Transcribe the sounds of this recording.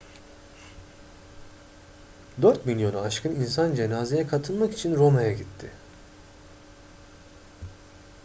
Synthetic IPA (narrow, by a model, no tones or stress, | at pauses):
d̪øɾt̪milʲjo̞naaʃkʰɯninsand͡ʒe̞naːze̞jɛkʰat̪ʰɯlˠmaki̥t͡ʃʰinɾo̞majaɟit̪ʰːɪ